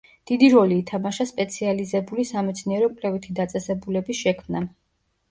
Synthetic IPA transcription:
d̪̥id̪iɾɔliːt̪ʰamaʃaspʼɛt̪sʰializɛbulisamɛt̪sʰniɛɾɔkʼlɛvit̪ʰid̪at̪sʼɛsɛbulɛbisʃɛkʰmna

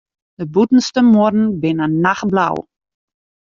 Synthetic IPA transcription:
dəbutn̩stəmordn̩bɪnənaxbla̰w

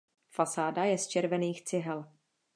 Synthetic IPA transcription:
fasaːdajɛst͡ʃɛɾvɛniːxt͡sɪɦɛl

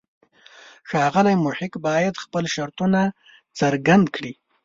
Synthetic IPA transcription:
xɑɣəlajmʊħɪkbɑjad̪xpəlʃaɾt̪una | t͡səɾɡand̪kɽi

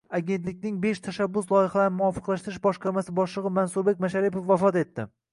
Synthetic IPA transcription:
aɡʲe̞nt̪lɪkʲnɪŋbe̞ʃt̪ʰaʃabːʊslˠɒjɪhalaɾnɪmʊɒfɨ̥qlˠaʃt̪ɪɾɪʃbɒʃqɑɾmasɪbɒʃlˠɨʁɨmansuɾbekʲmaʃaɾɪpofːafɒt̪e̞t̪ːɪ

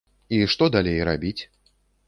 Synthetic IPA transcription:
iʂt̪ɔd̪alʲejɾabʲit͡sʲ

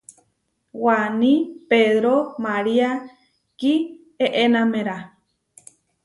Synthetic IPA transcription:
wanĩpeðɾomaɾia | ki | eʔenãmẽɾa

